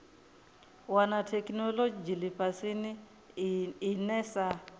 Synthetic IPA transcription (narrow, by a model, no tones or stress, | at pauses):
wanatʰɛknɔlod͡ʒilipasini | nɛsa